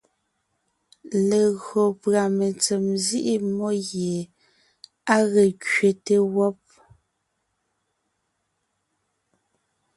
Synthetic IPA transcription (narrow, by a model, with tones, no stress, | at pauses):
le˨ɣɰɔ˨pɰa˨me˨t͡se˨mzi˦ʔi˦mɔ˦ɣje˨ | a˦ɣe˨kɥe˨te˦wɔ˦p̚